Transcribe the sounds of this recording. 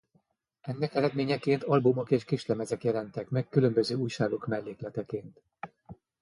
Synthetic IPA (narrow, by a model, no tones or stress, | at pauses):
ɛnːɛkɛlɛd̪meːɲɛkeːnt̪ɒlbumo̞keːʃkiʃlɛmɛzɛkjɛlɛnt̪ɛkmɛkːylø̞mbøzøːuːjʃaːɡo̞kmɛlːeːklɛt̪ɛkeːnt̪